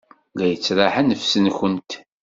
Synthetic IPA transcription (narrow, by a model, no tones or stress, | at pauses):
læjət͡sːɾˤaħanəfsənçənt̪